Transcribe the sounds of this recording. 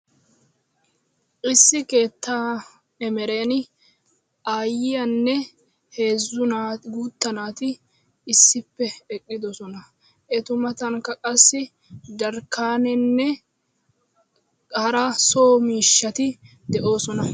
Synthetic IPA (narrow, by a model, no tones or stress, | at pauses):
ʔɪsːɪke̞ːt̪ːaː | ɛmɛɾe̞ːnɪ | aːjɪjɐnːɛ | he̞ːzːʊnaːɡuːt̪ːɐnaːt̪ɪː | sːɪpːɛɛkʼːɪd̪ɔsɔnɐ | ʔɛt̪ʊmɐt̪ɐŋkːɐkʼɐsːɪ | d̪ɐɾkːaːnɪnːɛ | ɐɾɐso̞ːmiːʃːɐt̪ɪ | d̪ɛʔo̞ːsɔnɐ